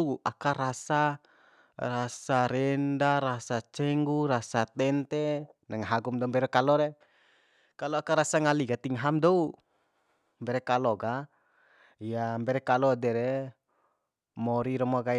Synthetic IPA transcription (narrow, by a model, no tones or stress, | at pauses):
ʔa̰kaɾasa | rasaɾɛndaɾasat͡ʃɛŋɡuɾasat̪ɛnt̪ɛnaŋaɦaɡumdɔumbɛɾɛkalɔɾɛ | kalɔakaɾasaŋaliɡat̪iŋɦamdɔu | mbɛɾɛkalɔɡa | ijambɛɾɛkalɔdɛɾɛ | mɔɾiɾɔmɔɡa